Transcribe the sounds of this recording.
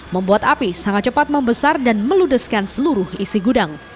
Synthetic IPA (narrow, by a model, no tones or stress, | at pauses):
məmbuat̪apisaŋat̪̚t͡ʃəpat̪̚məmbəsardanməludəskansəluɾʊhisiɡudaŋ